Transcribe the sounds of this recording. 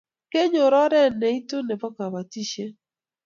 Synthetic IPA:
ke˦ɲo˨ɾɔ˦ɾɛ˦nɛ˨i˦to˦nɛ˨bɔ˦ka˨βa˨ti˦ʃe˦

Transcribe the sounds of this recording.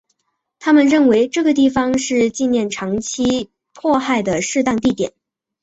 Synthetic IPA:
t̪ʰa˥mə˨nɻə˥˩nwe˧˥ɪʈ͡ʂɤ˥˩ɡə˩t̪̬i˥˩fɑ˧˥ŋʂɻ̩˥˧t͡ɕi˥˧njɛ˥˩nʈ͡ʂʰɑ˧˥ŋt͡ɕʰi˥ | pʰwɔ˥˧xa˥˩ɪd̪ə˩ʂɻ̩˥˧t̪ɑ˥˧ŋt̪i˥˩t̪jɛ̰˨˩˦n

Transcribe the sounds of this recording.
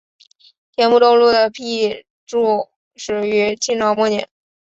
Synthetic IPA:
t̪ʰjɛ˧˥npu˥˧t̪o˥˧ʊlu˥˩d̪ə˩pʰi˥˩ | ʈ͡ʂu˥˩ | ʂɻ̩˨˩y˧˥t͡ɕʰi˥˧nʈ͡ʂɑ˧˥ʊmɔ˥˩njɛ̰˨˩˦n

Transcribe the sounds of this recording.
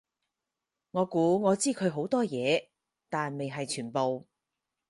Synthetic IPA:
ŋɔː˨˧kuː˨˥ŋɔː˨˧t͡siː˥kʰɵ˨˧ɥɦo˨˥wt̪ɔː˥jɛː˨˧ | t̪aː˨nme˨jɦɐ˨jt͡ʃʰyː˨˩npo˨w

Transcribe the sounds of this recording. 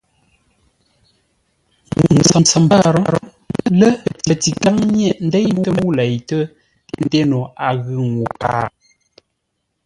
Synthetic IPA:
n̩˨t͡sa˨mt͡sa˨mba˦ɾɔ˦ɾɔ˦ | lə˦˨ti˨ti˨ka˦ŋɲɛ˦ʔn̩˦de˦jmu˦ə˦mu˦lɛ˨jtə˦ | n̩˦˨de˦no˨a˨ɣɨ˨ŋu˨pa̰ː˦˨

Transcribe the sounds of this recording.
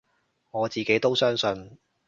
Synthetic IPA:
ŋɔː˨˧t͡siː˨ke˨˥jt̪o˥wsœː˥ŋsɵ˧n

